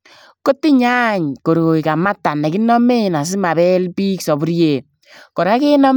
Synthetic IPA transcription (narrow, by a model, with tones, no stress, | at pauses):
ko˦tɪ˦ɲa˦ɲko˨ɾo˨i˨ka˨ma˦ta˨nɛ˨ki˦nɔ˦me˦na˨s̬ɪ˦ma˨bɛ˦lpiː˦ksɔ˨bu˦ɾje˨ | kɔ˨ɾa˦ke˦nɔ˦m